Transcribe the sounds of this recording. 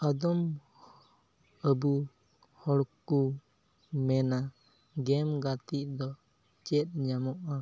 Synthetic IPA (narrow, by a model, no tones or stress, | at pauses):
əd̪ɔm | əbu | hɔɽku | mɛna | ɡɛmɡat̪iʔd̪ɔ | t͡ʃɛt̪̚ˀɲamɔʔa